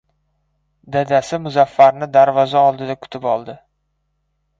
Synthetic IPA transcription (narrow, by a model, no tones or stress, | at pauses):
d̪ad̪asɪmʊzafːaɾnɪd̪aɾvɒzaɒlˠd̪ɪd̪akʰʊ̥t̪ʰɪpɒlˠd̪ɪ